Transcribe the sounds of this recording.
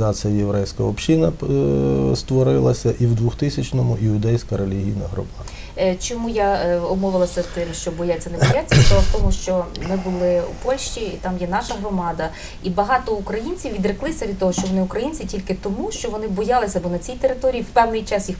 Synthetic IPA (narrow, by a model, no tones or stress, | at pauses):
ɑt͡s̪ɨjɐjeʋɾɛjsʲkɐɔpʃinɐ | st̪ʋɔɾɪlˠɐsʲɐʔiwd̪ʋʊxt̪ɪsʲɐt͡ʃnɔmʊʔɪʊd̪ɛjsʲkɐɾelʲiɦʲijnɐɦɾɔ̰bɑd | t͡ʃɔmujaɔmɔʋeɪlˠɐsʲɐt̪ɪmʃt͡ʃɔbɔjat͡sʲːɐnebɔjat͡sʲːɐɔʋˠɐwt̪ɔmʊʃt͡ʃɔmɪbʊlˠɪṵpɔlʲʃt͡ʃʲiːt̪ɑmjɛn̪ɑʃɐɦrɔmɑd̪ɐ | ibɐɦɑt̪ɔukɾɐjinʲt͡sʲiwʋʲid̪ɾɪklˠɪsʲɐʋʲid̪̚t̪ɔɦɔʃt͡ʃɔʋɔnɪukɾɐjinʲt͡sʲitʲilʲkɪt̪ɔmuʃt͡ʃɔʋɔnɪbɔjɑlˠɪsʲɐbɔnɐt͡sʲijt̪eɾɪt̪ɔɾʲijːiwpɛwnɪjt͡ʃɑsjix